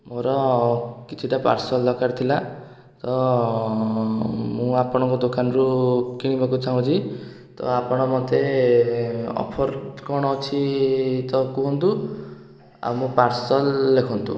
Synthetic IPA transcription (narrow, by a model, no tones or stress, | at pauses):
moɾɔkit͡ʃʰiʈapa̰ɾsɔldɔkaɾt̪ʰila | t̪ɔ | mũapɔɽ̃ɔ̃ŋkɔd̪okanɔɾukiɽ̃ibɔkut͡ʃʰaw̃t͡ʃʰi | t̪ɔ̰apɔɽ̃ɔmɔt̪e | ɔ̰pʰɔɾkɔɽ̃ɔt͡ʃʰit̪ɔkuɦɔnt̪u | a̰wmũpaɾsɔlːekʰɔnt̪ṵ